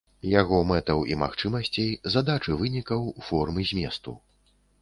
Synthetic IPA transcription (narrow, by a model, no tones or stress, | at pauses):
jaɣɔmɛt̪ɐwḭma̰xt͡ʂɨmɐsʲt͡sʲejzad̪at͡ʂɨvɨnʲikɐwfɔrmɨzʲmʲɛst̪ṵ